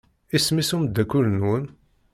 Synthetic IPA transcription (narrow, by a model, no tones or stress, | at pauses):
ismisuməd̪ːækːulnun